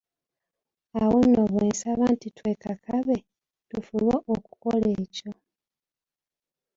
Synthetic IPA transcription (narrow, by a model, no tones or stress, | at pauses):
awonːoβweːnsaβaːntitwe̞ːkakʰaβe̞ | tufulwaʔoku̥ko̞le̞ːco̞